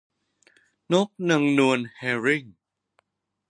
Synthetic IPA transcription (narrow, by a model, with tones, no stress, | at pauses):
no˦˥k̚nɯ˧ŋnu˧ənhɛː˧ɾi˥˩ŋ